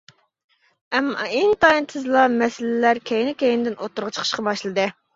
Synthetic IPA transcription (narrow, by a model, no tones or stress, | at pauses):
ɛmːɑ̰int̪ɑint̪ʰɨzɨlˠɑmɛsɪlɪlæɾkʲʰejnɪkʲejɪnɪd̪ɪnot̪ːuɾʁɑt͡ʃʰə̥qʰəʃqɑbɑʃlˠɨd̪ɨ